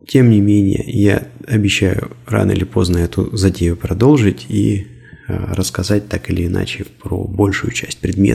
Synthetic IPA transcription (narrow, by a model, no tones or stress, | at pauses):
tʲe̞mnʲɪmʲenʲɪ̰jə̰jaɐbʲɪɕːæjʊra̰nəɪ̰lʲɪpo̞znəɛt̪ʊzɐdʲejʊpɾɐd̪o̞lˠʐɨtʲḭ | ɾəskɐzat̚ʲt̪akɨlʲɪːna̰t͡ɕɪpɾo̰bo̞lʲʂʊjʊt͡ɕæsʲt̚ʲpɾʲɪd̪mʲḛt̪